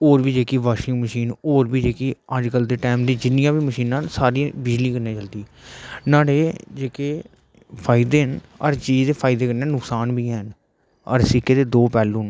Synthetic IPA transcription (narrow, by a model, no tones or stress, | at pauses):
oːɾbiːd͡ʒeːkiːʋaːʃɪ̃ŋɡməʃiːnoːɾbiːd͡ʒeːkiːəd͡ʒkəld̪eːʈaːmd̪ĩːd͡ʒɪnɪjãːbiːməʃiːnãːnsaːɾĩbɪd͡ʒliːkəɾnẽːt͡ʃəld̪iːnaːɽeːd͡ʒeːkeː | pʰaːɪd̪eːɦnəɾt͡ʃiːd͡ʒd̪eːpʰaːɪd̪eːkəɾneːnʊksaːnbʱiːɛːɦən | ə̰ɾsɪkeːt̪eːd̪oːpɛːlũːn